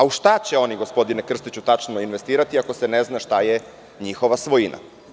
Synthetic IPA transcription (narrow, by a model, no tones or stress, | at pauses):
auʃt̪at͡ɕe̞o̞niɡo̞spo̞d̪inekr̩st̪it͡ɕut̪at͡ʃnoinʋe̞st̪iːɾat̪iako̞seneznaʃt̪aje | ɲixo̞ʋasʋo̞jina̰